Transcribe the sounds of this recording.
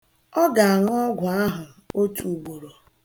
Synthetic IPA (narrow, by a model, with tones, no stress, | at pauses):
ɔ˦ɡa˨a˨ŋ˦ɔ˦ɡʷʊ˨a˦ɦʊ˨ | o˦tu˨u˨ɡ͡bo˨ɾo˨